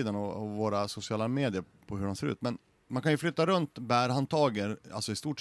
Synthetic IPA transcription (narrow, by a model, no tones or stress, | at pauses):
iːd̪anɔɔvoːɾasʊsɪɑːlameːd̪ɪəɾ | pʰɔɦɵɖɛnseːɾʉ̰ːt̪mɛn | mankʰanjɵflʏt̪ːaɾɵnt̪bæːɾhant̪ʰɑːɡəɾa̰lsɔɪst̪uːʈ